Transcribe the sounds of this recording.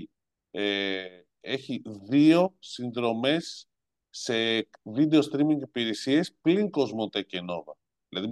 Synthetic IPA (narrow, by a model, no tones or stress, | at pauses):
e | e̞çiðio̞sinðɾo̞me̞sː | e̞vid̪e̞ost̪ɾimiŋɡipiɾesie̞spliŋko̞zmot̪eceno̞ðɐ | ðilɐði